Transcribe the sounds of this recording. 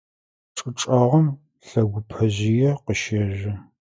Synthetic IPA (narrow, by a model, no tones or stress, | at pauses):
ʈ͡ʂʼɨʈ͡ʂʼɐʁɐm | ɬɐɡʷʊpʰɐʑɪjɛqəʃɐʑɪ